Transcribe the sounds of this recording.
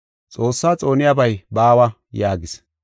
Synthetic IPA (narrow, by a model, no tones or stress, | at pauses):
t͡sʼo̞ːsːaːt͡sʼo̞ːnɪjabɐjbaːwɐ | jaːɡɪs